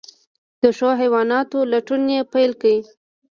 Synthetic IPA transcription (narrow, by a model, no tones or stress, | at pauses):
d̪̥əʂoɦajwɑnɑt̪olaʈunjepajlkawi